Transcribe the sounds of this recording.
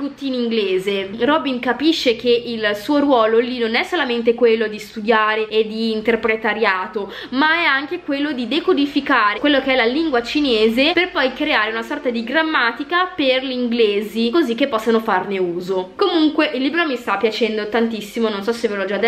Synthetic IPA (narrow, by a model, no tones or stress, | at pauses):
t̪ut̪ːiːniŋɡleːzerɔbiŋkapiʃːek̟eʔilsuːoɾwɔːlolinonɛsːolament̪ekwelːod̪ist̪ud̪jaːɾeed̪ːiːnt̪erpɾet̪aɾjaːt̪o | maɛaŋkekwelːod̪id̪ekod̪ifikaːɾekwelːokeɛlaliŋɡwat͡ʃineːzeperpɔjkɾeaːɾeunasɔrt̪ad̪iɡɾamːaːt̪ikaperliŋɡleːzikozikːepːɔsːanofarneuːzokomuŋkweʔilːiːbɾomist̪apːjat͡ʃɛnd̪ot̪ant̪isːimononsɔsevelod͡ʒad̪